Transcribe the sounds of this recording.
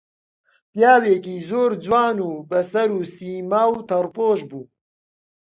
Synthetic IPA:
pjaːweːkiːzoːɾd͡zwaːnuːbɐsɐɾuːsiːmawt̪ʰɐɾpoːʃbuː

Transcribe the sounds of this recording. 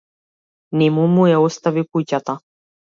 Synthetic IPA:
nimumujɛost̪avipujcʲat̪a

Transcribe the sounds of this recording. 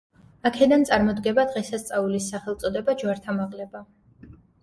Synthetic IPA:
akʰɛd̪ansʼaɾmɔd̪ɡɛbad̪ʁɛsast̪sʼaulisːaχɛlˠt̪sʼɔd̪ɛbad͡ʒwaɾt̪ʰamaʁlɛba

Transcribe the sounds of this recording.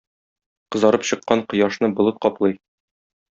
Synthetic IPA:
qɤ̆zɑɾɤpɕɤ̆qːɑɴqɤ̆jɑʃnɤbŏlˠɤt̪̚qɒplˠɤj

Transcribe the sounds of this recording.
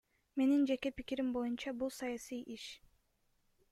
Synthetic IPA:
me̞nind͡ʒe̞kepikiɾimbo̞junt͡ʃɑbulˠsɑjasijʔiʃ

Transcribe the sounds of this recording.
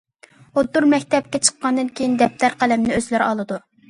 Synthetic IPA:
od̪ːuɾmɛkʲt̪ɛp̚kʲɛt͡ʃʰə̥qːɑnd̪ɨnkʲʰejind̪ɛp̚t̪ʰæɾqʰælɛmnɪøzlæɾɑlˠɨd̪u

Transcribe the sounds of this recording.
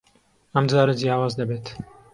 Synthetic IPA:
ɐmd͡ʒɑːɾɨd͡zjɑːwɑːzd̪ɐbeːt̪

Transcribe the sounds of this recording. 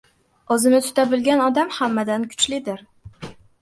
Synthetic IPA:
ɵzɪnɪt̪ʰʊ̥t̪ʰabɪlɡʲanɒd̪amhamːad̪ankʰʊ̥t͡ʃlɪd̪ɪɾ

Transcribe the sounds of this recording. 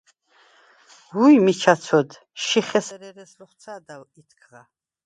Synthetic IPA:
wujmit͡ʃʰat̪sʰɔd̪ | ʃiχɛsɛɾɛɾɛsrɔχt̪sʰad̪alit̪ʰkʰʁa

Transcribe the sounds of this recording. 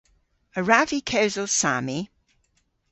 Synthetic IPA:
əɹavikʰəʊzəlˠsa̰ːmi

